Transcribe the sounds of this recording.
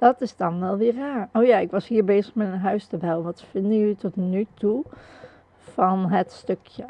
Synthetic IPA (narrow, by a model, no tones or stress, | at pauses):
d̥ɑtɪzdɑnʋɛlˠʋɪːɹraːɹowjaːɪkʋɑsɦiːɹbeːzəχmɛtənɦœɥstəbɛwənʋɑtfɪndəjəlitɔtnytu | v̥ɑnɦətstøkjə